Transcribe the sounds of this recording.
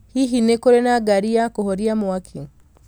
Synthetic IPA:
hiɦinekoɾenaɡaɾiakoɦoɾiamuwakʰi

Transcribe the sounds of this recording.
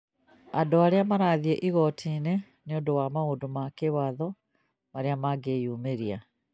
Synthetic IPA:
adoaɾeamaɾaːðieʔiɣɔtʰine | neodowamaodomakewaðɔ | maɾeamaɡejuːmeɾia

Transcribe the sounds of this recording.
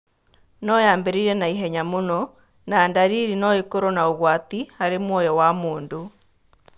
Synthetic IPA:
nɔjaːmbeɾiɾɛnaiɦɛɲamonɔ | naːndaɾiːɾinɔekoɾɔnaoɣwatihaɾemwɔjɔwamoːndo

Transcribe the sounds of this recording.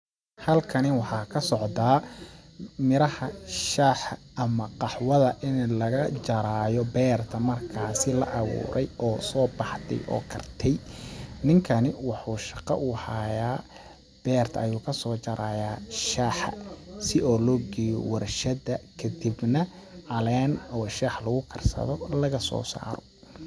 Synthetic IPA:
hɐlkʰɐnɪwɑħɑːkʰɐsɔʕd̪aː | mɪɾɐhɐʃaːħʔɐmɐqɑħwɐðɐʔɪnlɐɣɐt͡ʃɐɾaːjɔbɛːrt̪ʰɐmɐrkʰaːsɪlɐ̰ʔɑβṵːɾʔɛjɔːsɔːbɑħt̪ɛ̰jʔɔ̰ːkʰɐrt̪ʰɛjnɪŋkʰɐnɪwɑħuːʃɑqɑ̰ʔuːhajaː | b̥ɛːrt̪ʰɐːjuːkʰɐsɔːt͡ʃɐɾaːjaːʃaħɐ̰sɪʔɔːlɔːɡɛːjɔ̰wɐrʃɐd̪ɐkʰɐd̪ibnɐʕɑlɛːnɔːʃaːħlɐɣʊkʰɐrsɐ̰ðɔlɐɣɐsɔ̰ːsa̰ːɾɔ

